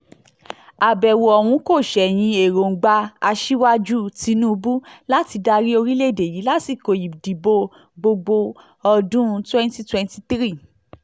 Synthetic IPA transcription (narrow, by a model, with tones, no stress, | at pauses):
a˨bɛ˨wo˨ɔ˨wũ˧˦ko˦˨ʃɛ˨j̃ĩ˧e˨ɾo˨ŋ̩˨ɡ͡ba˧a˧ʃi˦wa˦d͡ʒu˦ti˨˧nũ˦u˧bu˦la˦ti˧da˧ɾi˦o˧ɾi˦le˦˨de˨ji˨˦la˦ti˨ko˨ji˨di˨bo˧ | ɡ͡bo˧ɡ͡bo˧ | ɔ˧dũ˦˧twɛ̃˦n˦ti˦twɛ̃˧nti˦t̪ɾi˦˨